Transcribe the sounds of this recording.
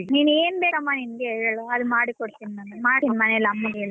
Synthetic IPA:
niːneːnbeːɾɐmːaːnimɡeɐɭɐɐd̪umaːɽikoɽt̪inmɐnemaːinmɐnɛlɐmːɐɡeɭ

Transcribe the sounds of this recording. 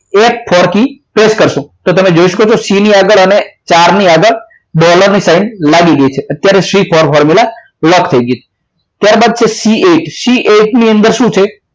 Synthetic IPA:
ek̚fʰɔɾkipɾeskəɾʃũt̪ot̪əmed͡ʒoiʃə̥kot͡ʃʰosiniaɡəɭənet͡ʃaɾniaɡəɭ | ɖɔləɾnisaɪnɖlaɡiɡəit͡ʃʰeət̪jaɾeʃɾifʰɔɾfɔɾmila | ləkt̪ʰəiɡjit͡ʃʰe̥ | t̪jaɾbad̪̚t͡ʃʰesieʈsiʔeʈniənd̪əɾʃũt͡ʃʰe

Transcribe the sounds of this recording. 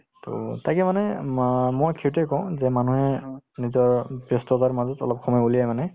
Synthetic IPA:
to̰tajkɛmanɛmɔjkʰiɹtɛkɔʊ̃zɛmanuɦɛnizɔɹbjɔstɔtaɹmazɔtɔ̰lɔp̚xʰɔmɔjulijajmanɛ

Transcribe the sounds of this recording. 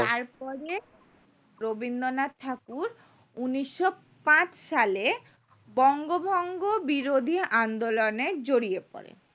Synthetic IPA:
t̪aɾpɔɾe | ɾobind̪onatʰakuɾ | uniʃːo | pãt͡ɕʃale | bɔŋɡobʱɔŋɡobiɾod̪ʱiand̪oloned͡ʑoɾiepɔ̰ɾḛ

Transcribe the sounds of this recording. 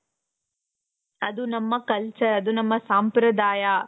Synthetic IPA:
ɐd̪unɐmːɐkɐlt͡ʃɐɾɐd̪unɐmːɐsaːmpɾɐd̪aːja

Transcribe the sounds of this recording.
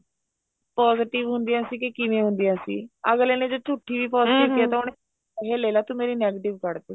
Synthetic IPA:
pɔːzɪʈɪʋɦʊ̃nd̪ɪjãːsiːkekɪʋẽːɦʊ̃nd̪ɪjãːsḭːəɡleːneːd͡ʒoːt͡ʃʊʈʰːiːʋiːpɔːzʈɪːʋd̪iaːt̪aːɦʊɳe | ɦeːleːlaːt̪umeːɾiːnɛːɡeʈɪʋkəɽd̪eː

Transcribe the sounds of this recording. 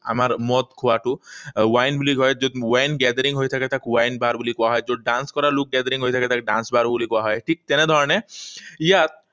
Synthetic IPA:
a̰maɾmɔt̪kʰɔaʈuwajnbuliɦɔjd͡ʒod̪wajnɡɛd̪aɾiŋɦojt̪ʰaket̪akwajnbaɾbulikɔaɦɔjd͡ʒoɖanskɔɾaɾlok̚ɡɛd̪aɾiŋɦojt̪ʰaket̪akeɖa̰nsbaɾbulikɔaɦɔeʈʰik̚t̪ɛned̪ʱɔɾɔneijat̪̚

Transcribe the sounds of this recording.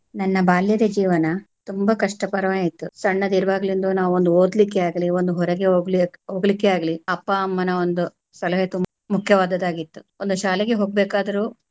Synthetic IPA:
nɐnːɐbaːljɐd̪ed͡ʒiːʋɐnɐt̪umbɐkɐʂʈɐpɐɾɐʋaːjit̪ːusɐɳːɐd̪iɾɐbaːɡlind̪uːnaːʋuond̪uoːd̪likːeaːɡɐlio̞nd̪uɦɔɾɐɡeoːɡliɦoːɡɐlikːeaːɡɐliɐpːɐːmːɐnɐo̞nd̪u | sɐlɐɦɐt̪um | mukʰjɐʋaːd̪ɐd̪aːɡit̪ːu̥ond̪uʃaːleɡeɦoːɡ̚beːkaːd̪ɐɾuː

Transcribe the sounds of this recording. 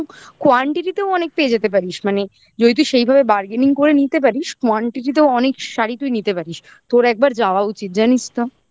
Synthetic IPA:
kwaɳʈiʈit̪eoɔnek̚peed͡ʑet̪ep̬aɾiʃmane | d͡ʑoɦit̪̬uʃejbʱabebaɾɡeniŋkoɾenit̪ep̬aɾiʃkaɳʈiʈit̪̬ewɔnekʃaɾit̪ujnit̪epaɾiʃ | t̪oɾɛk̚baɾd͡ʑaoaut͡ɕit̪̚d͡ʑanit͡ɕt̪o

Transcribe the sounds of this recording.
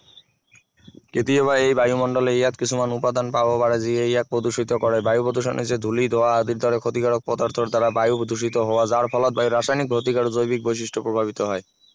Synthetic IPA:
ket̪ioβaejbajumɔɳɖoleejat̪kit͡ɕʰumanupad̪anpaoobaɽad͡ʑiejɛk̚pɾod̪uʃit̪okɔɾebajupɾod̪uʃ̬o̰nʔḭt͡ɕed̪ʱulid̪ʱoaad̪iɾd̪ʱɔɾekʰot̪ikaɽok̚pɔd̪aɾt̪ʰoɾd̪ʱaɾabajupod̪uʃ̬it̪oɦɔoad͡ʑaɾpʰɔlot̪̚bajuɾaʃajnik̚bʱot̪ikaɽod͡ʑojbik̚bojʃ̬iʃʈʰopɾobʱaβit̪oɦɔe

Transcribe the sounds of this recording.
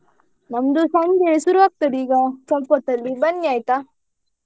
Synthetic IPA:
nɐmd̪usɐmɡeɭsuɾuʋaːk̚t̪ɐd̪iːɡɐt͡ʃɐmpot̪ːɐlːibɐnːiaːjt̪a

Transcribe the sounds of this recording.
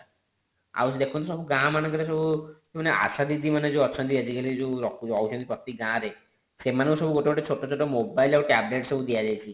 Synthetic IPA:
a̰wt͡ʃʰid̪ekʰũnɔsɔbuɡãmanɔ̃kaɾesɔbukemaneʔa̰sad̪id̪imaned͡ʒeɔt͡ʃʰɔnd̪ied͡ʒikelid͡ʒuɾɔkɔwusʰɔnd̪ipɔkt̪iɡãɾe | semaneusɔbuɡoʈeɔʈet͡ʃʰoʈɔt͡ʃʰoʈɔmobajlawʈɛbleʈsɔbud̪ijad͡ʒajt͡ʃʰi

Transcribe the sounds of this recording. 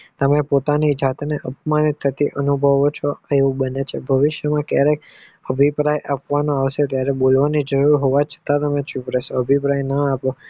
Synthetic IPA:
t̪əmẽpot̪anid͡ʒat̪neʔəpmanit̪ʰːət̪iʔənubʱəʋot͡ʃʰɔeʋũbənet͡ʃʰebʱəʋɪʃjəmãkjaɾekəbʱipɾajʔapʋanõaʋʃet̪jaɾebolʋanid͡ʒəɾuɾɦoʋat͡ʃʰə̥t̪at̪əmẽt͡ʃʰupɾesoəbʱipɾajnəapo

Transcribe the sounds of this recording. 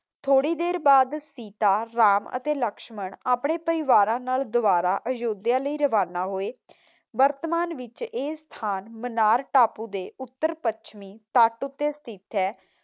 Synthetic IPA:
t̪ʰoːɽiːd̪eːɾbaːd̪siːt̪aːɾaːmə̰t̪eːləkʃməɳaːpɳeːpəɾɪʋaːɾãːnaːld̪ʊʋaːɾaːʔəd͡ʒoːd̪jãːləiːɾəʋaːnaːɦoːeː | ʋəɾt̪əmaːnʋɪt͡ʃeːst̪ʰaːnmənaːɾʈaːpuːd̪eːʊt̪ːəɾpət͡ʃʰmĩːt̪aʈʊt̪ːeːst̪ʰɪt̪ɛː

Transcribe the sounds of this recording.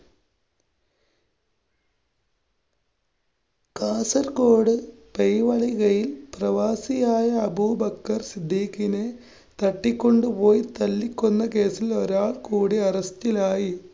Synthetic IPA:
kaːsɐɾko̞ːɽɨpejʋɐɭiɣɐjilprɐʋaːsijaːjɐːbuːbɐkːɐrsid̪ʱːiːkːine | t̪ɐʈːikʲːo̞ɳɖɨpo̞ːjt̪ɐlːikʲːunːɐke̞ːsilo̞ɾaːɭkuːɽiɐrɐstilaːji

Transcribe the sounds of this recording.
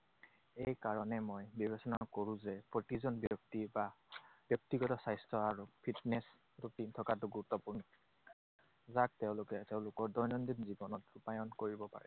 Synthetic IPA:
ejkaɹɔnɛmojbibesɔnakoɹũzɛpɹotizɔnbjɔk̚tibab̥jɔk̚tiɡɔtɔsajstʰɹɔaɹupʰitnɛs | tutintʰɔkatʊɡuɹutːɔpun | zak̚teʊ̃lʊkɛteʊ̃lʊkɔɹdɔjnɔndinzibɔnɔtʊpajɔnkoɹibɔpa̰ɹɛ̰

